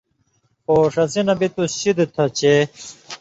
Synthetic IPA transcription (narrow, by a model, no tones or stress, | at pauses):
poːʂɐsinɐbit̪uɕid̪t̪ʰɐt͡ɕe